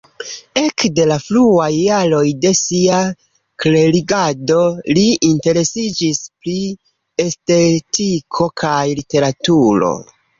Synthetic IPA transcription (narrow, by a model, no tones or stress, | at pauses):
e̞kde̞lafluajːaɾo̞jde̞sia | kle̞ɾiɡado̞liinte̞ɾe̞sid͡ʒispɾi | e̞ste̞tikʰo̞kʰajlite̞ɾatuɾo̞̰